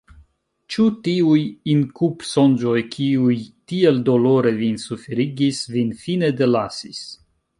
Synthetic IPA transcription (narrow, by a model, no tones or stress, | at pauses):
t͡ʃutiujinkupso̞nd͡ʒo̞jkʰiujtieldo̞lo̞ɾe̞vinsufeɾiɡisvinfine̞d̪e̞lasis